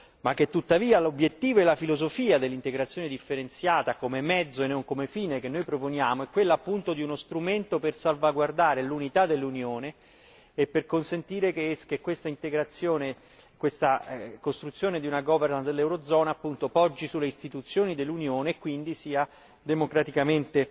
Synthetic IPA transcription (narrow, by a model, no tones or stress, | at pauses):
makːet̪ːut̪ːaviːalobjet̪ːiːvoɛlːafilozofiːad̪elːint̪eɡɾat̪sːjoːned̪ifːeɾent̪sjaːt̪akomemɛd̪zːoenːoŋkomefiːnekenːojpɾoponjaːmoɛkːwelːaːpːunt̪od̪iunost̪ɾument̪opersalvaɡward̪aːɾelunit̪ad̪elːunjoːneː | pːerkonsent̪iːɾekkekwest̪aint̪eɡɾat̪sːjoːne | kwest̪akost̪ɾut̪sjoːned̪iunaɡɔvernand̪elːɛwɾod̪zɔːnaːpːunt̪opɔd͡ʒːisulːeist̪it̪ut̪sːjoːnid̪elːunjoːneːkːwind̪isiːa | d̪emokɾat̪ikament̪e